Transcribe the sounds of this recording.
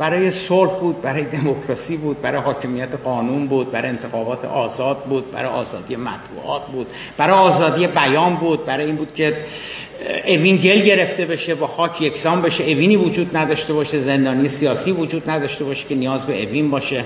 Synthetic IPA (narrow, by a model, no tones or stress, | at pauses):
b̥æɾɒːje̞solhbuːd̪̚bæɾɒːjed̪e̞mokʰɾɒːsiːbuːd̪̚bæɾɒːjehɒːcʰe̞mijæt̪ʰeɣɒːnunbuːd̪̚bæɾɒ̰jent̪ʰexɒːbɒːt̪ʰḛʔɒːzɒːd̪̚buːd̪̚bæ̰ɾɒjʔɒːzɒ̰ːd̪ije̞mæ̰t̪ʰbṵːʔɒ̰ːt̪̚ʰbuːd̪̥ | b̥æɾɒːjeɒːzɒːd̪ije̞bæjɒːnbuːd̪̚bæɾɒːjeiːnbuːd̪̚cʲʰe | ʔevinɟe̞lɟe̞ɾe̞ft̪e̞be̞ʃe̞bɒːxɒːcʰjecʰsɒːmbeʃeeviːniːvod͡ʒuːd̪næd̪ɒːʃt̪e̞bɒːʃe̞ze̞nd̪ɒːnijesijɒːsiːvod͡ʒuːd̪næd̪ɒʃt̪e̞bɒːʃe̥cenijɒːzbe̞ʔevinbɒːʃe̞